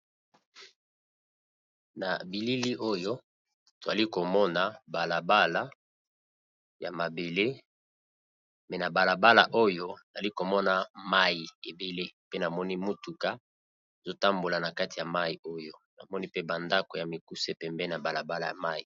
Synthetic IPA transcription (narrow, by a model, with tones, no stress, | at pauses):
na˨bi˨li˦li˦ʔo˦jo˦ | to˨za˨li˦ko˨mɔ˦na˨ba˨la˨ba˦la˦ | ja˨ma˨be˨le˦ | mɛ˨na˨ba˨la˨ba˦la̰˨ʔo˦jo˦n˨a˨li˦ko˨mɔ˦na˨ma˦ji˨e˨be˨le˦pe˦na˨mɔ˦ni˦mu˦tu˨ka˦ | e˨zo˦ta˦mbo˨la˨na˨ka˦ti˨ja˨ma˦i˨o˦jo˦na˨mɔ˦ni˦pe˦ba˨nda˦ko˨ja˨mi˨ku˦se˦pɛ˨mbɛ˦na˨ba˨la˨ba˦la˨ja̰˨ma˦ji˨